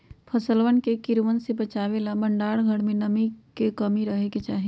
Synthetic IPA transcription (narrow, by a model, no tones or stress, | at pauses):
pʰəsəlʋənkekɪɾʋənsebɐt͡ʃaːʋelabəɳɖaːɽɡʱəɽmẽnəmikekəmiɾəɦeket͡ʃaːɦẽ